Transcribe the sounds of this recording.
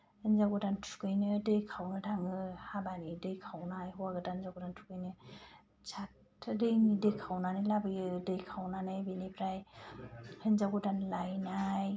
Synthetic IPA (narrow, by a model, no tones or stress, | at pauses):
henzaɡutantʰu̥kɯjnɯdɯjkʰawnɯtʰaŋɯhabanidɯjkʰawnajɦɔwaɡɯtanzaɡɔtantʰu̥kɯjnɯ | sʰat | dɯjnidɯjkʰawnanɯlabɯjɯdɯjkʰawnanɯbinipʰɾaj | henzaɡutanlajnaj